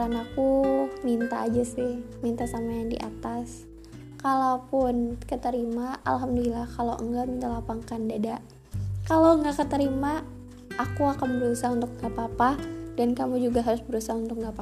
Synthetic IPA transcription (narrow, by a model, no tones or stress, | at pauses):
anakumint̪a̰ːd͡ʒasɪhmint̪asamajaŋdḭʔa̰t̪as | kalapʊnkət̪əɾimaʔa̰lɦamdɔlilahkaloʔŋɡamint̪alapaŋkandada | kaloŋɡakət̪əɾima | ʔakuakanbəɾusaunt̪ʊk̚ŋɡapapadankamud͡ʒuɡaɦaɾʊsbəɾusaunt̪ʊk̚ŋɡapa